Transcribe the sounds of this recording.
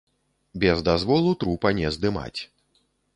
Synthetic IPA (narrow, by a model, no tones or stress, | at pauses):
bʲɛzd̪azvɔlˠut̪ɾupɐnʲɛzd̪ɨma̰t͡sʲ